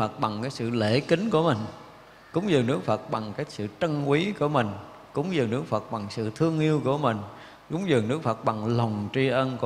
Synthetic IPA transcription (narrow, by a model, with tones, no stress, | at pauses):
fə˨˩t̚ɓa˨˩ŋkaː˨˦jsɨ̰˧˨le˧˩ki˨˦ŋku˧˩əmï˨˩ŋ̟ | kʊ˨˦wŋ͡mzɨ˨˩nɨ˦˥ək̚fə˨˩t̚ɓa˨˩ŋkaː˨˦jsɨ̰˧˨t͡ɕə˧nkwi˨˦ku˧˩əmï˨˩ŋ̟ | kʊ̰˧˨˦wŋ͡mzɨː˨˩nɨ˦˥ək̚fə˨˩t̚ɓa˨˩ŋsɨ̰˧˨t̪ʰɨ˧əŋʔi˧əwku˧˩əmï˨˩ŋ̟ | kʊ˨˦ŋ͡mzɨ˨˩nɨ˦˥k̚fə˨˩t̚ɓa˨˩ŋla˨˩wŋ͡mt͡ɕi˧ʔə˧nku˧˩